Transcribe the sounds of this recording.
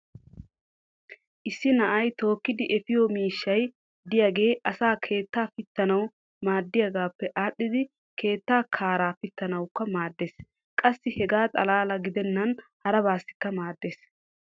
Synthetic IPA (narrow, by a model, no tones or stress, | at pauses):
ʔɪsːɪnɐʔɐjt̪o̞ːkːɪd̪ɪʔɛfɪjomiːʃːɐj | d̪ɪjaːɡe̞ːʔɐsaːkʰe̞ːt̪ːaːfɪt̪ːɐnɐw | maːd̪ːɪjaɡaːpːɛʔaːɗːɪd̪ɪ | kʰe̞ːt̪ːaːkʰaːɾaːfɪt̪ːɐnɐwkːɐmaːd̪ːeːs | kʼɐsːɪhɛɡaːt̪ʼɐlaːlɐɡɪd̪ɛnːɐnhɐɾɐbaːsːɪ̥kːɐmaːd̪ːeːs